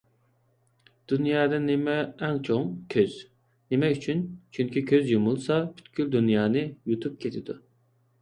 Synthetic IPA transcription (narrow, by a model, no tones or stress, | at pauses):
d̪̥unjɑːd̪ɑnɪmɛːŋt͡ʃʰoŋkʲʰøz̥ | nemɛyt͡ʃʰynt͡ʃʰyŋkʲikʲʰøzjumulˠsɑpʰy̥t̪kʲyld̪unjɑːnɨjut̪ʰup̚kʲʰet̪ʰɪd̪ṵ